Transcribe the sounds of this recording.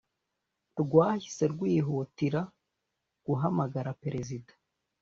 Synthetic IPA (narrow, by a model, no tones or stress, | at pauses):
ɾɡwaːhise̞ɾɡwiːɦutiɾa | ɡ̥uɦamaɡaɾapeɾe̞zidḁ